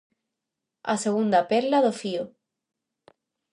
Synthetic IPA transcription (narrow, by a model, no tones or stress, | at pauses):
a̰seɣund̪apeɾlaðofio